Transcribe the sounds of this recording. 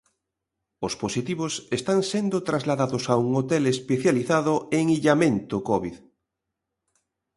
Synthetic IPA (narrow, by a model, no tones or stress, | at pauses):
osposit̪iβosest̪aŋsend̪ʊt̪ɾazlaðaðosauŋot̪elespeθjaliθaðʊeŋiʎamẽnt̪okɔβið